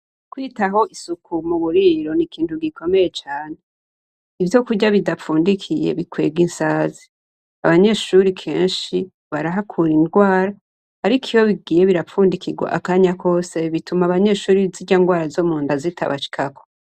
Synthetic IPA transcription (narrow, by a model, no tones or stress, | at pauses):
kwiːtaɦo̞ʔisukʰumuβuɾiɾo̞nikiːntuɡiko̞me̞je̞t͡ʃaːne̞ | ivjo̞kuɟaβidafuːndikʰijḛβikwe̞̰ːɡinsaːzi | aβaɲe̞ːʃuɾikʰe̞̰ːnʃi | βaɾaɦakʰuːɾindɡwaːɾaː | ɾikʰiwo̞βiɡiːje̞βiɾafuːndikiɡwa̰ʔakaɲako̞se̞βitumaβaɲe̞ːʃuːɾiziɟaŋɡwaːɾazomuːndazitʰa̰βa̰ʃi̥kʰakʰo̥